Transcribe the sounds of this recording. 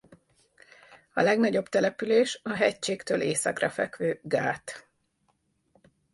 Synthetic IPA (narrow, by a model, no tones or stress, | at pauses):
ɒ̰lɛɡnɒɟo̞bt̪ɛlɛpyleːʃɒɦɛct͡ʃeːkt̪øːlʔeːsɒ̰krɒfɛkʋøːɡaːt̪